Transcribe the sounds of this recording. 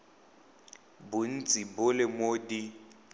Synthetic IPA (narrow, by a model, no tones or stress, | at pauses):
bʊn̩t͡sʼibʊlɪmodi